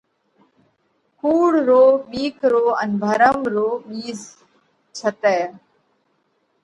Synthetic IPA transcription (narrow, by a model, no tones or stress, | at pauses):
kuːɽɾoːɓiːkɾoːənbʱəɾəmɾoːɓiːz | t͡ʃʰət̪ɛː